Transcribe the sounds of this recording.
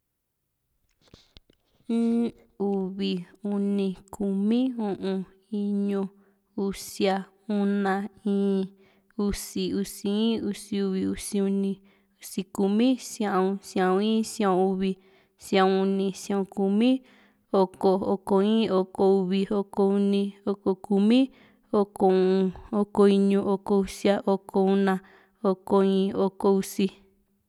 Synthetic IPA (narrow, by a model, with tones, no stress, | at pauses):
ĩ˦ | u˨βi˧˨u˧nĩ˧kʰu˨mĩ˦ũ˧ʔũ˧ | i˧˦ɲũ˧ | u˧sja˧ | u˦nã˧ĩː˦ | u˦˧si˧u˧si˧ĩː˦u˧si˧u˧βi˧u˧si˧u˧nĩ˧ | u˧si˧ku˧mĩ˦sj̃ã˧˨ũ˧sã˨ũ˧ĩː˦sj̃ã˧õ˧u˧βi˧ | sj̃ã˧ũ˧u˧nĩ˧sj̃ã˧˨õ˧ku˧mĩ˦ | o˧ko˧o˧ko˧ĩː˦o˧ko˧u˧βi˧o˧ko˧u˧nĩ˧o˧ko˧ku˧mĩ˦ | o˧ko˧˨ũ˧o˧ko˧i˧ɲũ˧ʔo˧ko˧u˧sja˧ʔo˧kʰo˧u˦˧nã˧ | o˧ko˧ĩː˧o˧ko˧u˧si˧